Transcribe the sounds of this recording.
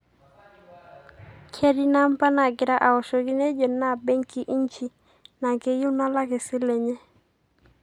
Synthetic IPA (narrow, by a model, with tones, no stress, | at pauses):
kʰɛ˦ɾi˦na˦m˦pa˦na˨ɡɪ˨ɾa˦ʔa˨ɔ˨ʃɔ˨ɡi˦nɛ˦d͡ʒɔ˨na˦˨bɛ˦ŋki˨ʔi˦ɲt͡ʃi˦ | na˨ke˦ju˦na˦la˦ke˨si˦lɛ˨ɲɛ˦